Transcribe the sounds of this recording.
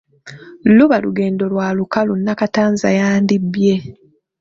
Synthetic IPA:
luβaluɡe̞ːndo̞lwaːlukalunːakataːnza̰jaːndibje̞

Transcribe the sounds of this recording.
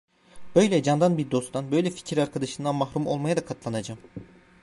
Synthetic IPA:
bø̞jlʲɛd͡ʒand̪anbiɾd̪o̞st̪ʰanbø̞jlʲɛfi̥cʰiɾaɾkʰad̪aʃɯnd̪anmaɦɾumo̞lˠmajad̪akʰat̪ʰlˠanad͡ʒam

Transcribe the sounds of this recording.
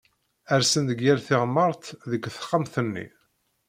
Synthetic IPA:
æɾsənd̪əɡːæɾθɪʁmːəɾˤt̪ðəkːθə̥χːamθənːḭ

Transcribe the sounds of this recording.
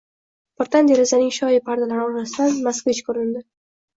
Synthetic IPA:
bɪɾt̪and̪eɾɪzanɪŋʃɒjɪpʰaɾd̪alaɾɪɒɾlast̪anmaskvet͡ʃkʰɵɾɪnd̪ɪ

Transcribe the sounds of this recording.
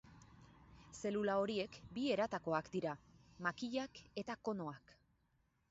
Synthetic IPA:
se̞lulao̞ɾie̞kbie̞ɾat̪ako̞akd̪iɾamakiʎake̞t̪ako̞no̞ak

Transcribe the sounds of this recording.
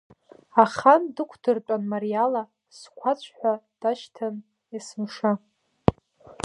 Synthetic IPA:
aχandɨkʷʰdɨrt͡pʼanmaɾijala | skʷʰat͡ɕʷʰʼħʷad̥aʃtʰan | asɨmʂa

